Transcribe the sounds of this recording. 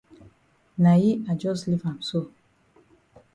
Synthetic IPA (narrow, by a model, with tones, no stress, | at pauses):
na˨ji˦a˨d͡ʒɔ˦sli˦fã˨mso˦˨